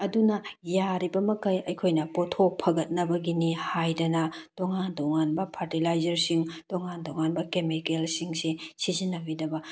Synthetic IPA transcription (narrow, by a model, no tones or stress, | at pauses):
ɐdunɐjaɾibɐmɐkɐjɐjkʰojnɐpotʰok̚pʰɐɡɐt̚nɐbɐɡinihajdɐnɐtoŋandoŋanbɐpʰaɾtilajzɐɾsiŋtoŋandoŋanbɐkemikelsiŋsisizinːɐbidɐbɐ